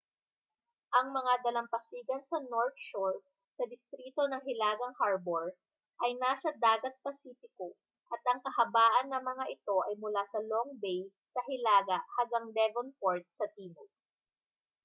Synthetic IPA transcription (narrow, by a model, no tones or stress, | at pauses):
ʔɐŋmɐŋad̪ɐlɐmpɐksiːɡɐnsɐnoɹt̪ʃoɹt̪̚ | sɐd̪ɪst̪ɾiːt̪o̞nɐŋɦɪlaːɡɐŋhaɹboɹ | ʔɐjnaːsɐd̪aːɡɐt̪̚pɐsiːfɪko | ʔɐt̪ʔɐŋkɐhɐbaːʔɐnːɐŋmɐŋaʔɪt̪o̞ʔɐjmʊlasɐloŋbɛj | sɐɦɪlaːɡɐʔhɐŋɡɐŋlɛvonpoɹt̪̚sɐt̪iːno